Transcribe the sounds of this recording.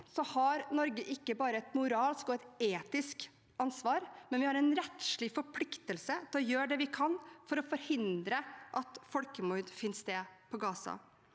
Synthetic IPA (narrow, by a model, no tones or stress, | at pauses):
sɔhɑɾnɔɾɡəʔɪkːəbɑːɾəɛt̪mʊɾɑːlskɔɛt̪eːt̪ɪsk | ɑnsʋɑːɾmɛnʋɪhɑɾɛɪnɾɛt̪ʃɭɪfɔɾpʰlɪkt̪əlsət̪ʰɔjøːɖɛʋɪkʰɑnːfɔɾɔfɔɾhɪnd̪ɾəʔɑt̪fɔlkəmuɾd̪fɪnst̪eːpʰɔɡɑːsɑ̰